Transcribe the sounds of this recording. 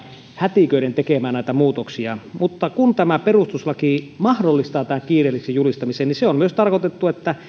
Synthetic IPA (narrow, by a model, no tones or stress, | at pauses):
hæt̪ikøˑiɾent̪ekemæːnnæˑit̪æmuːt̪oksiɑmut̪ːɑkunt̪æmæperust̪uslɑkimɑhdolːist̪ɑːt̪æhæŋkiːrelːiksejulist̪ɑmiseːniseommyøst̪ɑrkot̪et̪ːuet̪ːæ